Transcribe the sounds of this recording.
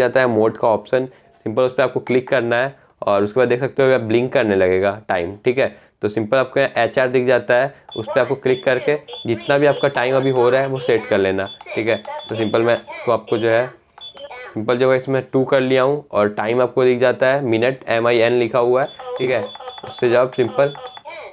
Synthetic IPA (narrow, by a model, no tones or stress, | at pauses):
aːt̪aɦɛmoːʈkaɔːpʃən | sɪ̃mpəlʊspeaːp̚koklɪkːɐɾnaɦɛ | ɔːɾʊskebaːd̪eːksɐk̚t̪eɦũɛblɪ̃ŋkːɐɾnelɐɡeːɡaːʈaːɪmʈʰiːkɦɛː | t̪osɪ̃mpəlaːp̚kõʔɛːt͡ʃaːɾd̪ɪk̚ʰd͡ʒaːt̪aɦɛʊ̰speaːp̚koklɪkːɐɾked͡ʒɪt̪nabʱiaːp̚kaʈaːɪmɐbʱiɦoɾaɦɛʋoseːʈkɐɾleːnaʈʰiːkɦɛt̪osɪ̃mpəlmɛ̃ɪskoaːp̚kod͡ʒoːɦɛ | sɪ̃mpəld͡ʒoːɦɛɪsmɛ̃ʈuːkɐɾlijaɦũɔːɾʈaːɪmaːp̚kod̪ɪkʰd͡ʒaːt̪aɦɛmɪnəʈɛmaːiɛːnlɪkʰaɦuaɦɛʈʰiːkɦɛːʊsːed͡ʒoabsɪ̃mpəl